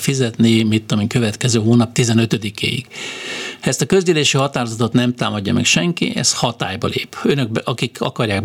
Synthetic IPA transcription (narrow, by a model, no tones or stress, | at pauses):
fizɛt̪nimit̪ːomiːŋkø̞vɛt̪kɛzøːɦoːnɒp̚t̪izɛnøt̪ød̪ikʰḛːjḭɡ̥ | hɛst̪ɒkøzd̪yːleːʃihɒt̪aːɾozɒt̪o̞t̪nɛmt̪aːmɒɟːɒmɛ̰kʃɛŋkḭʔɛ̰shɒt̪a̰ːjbɒ̰lḛːpønøɡ̚bʔɒkikɒ̰kɒrjaːɡb